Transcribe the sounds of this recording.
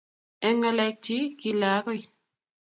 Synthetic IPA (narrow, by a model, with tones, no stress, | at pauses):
ɛ˦ŋɛ˧lɛ˧k̚ti˦ki˧laː˨˦kɔ˦i˨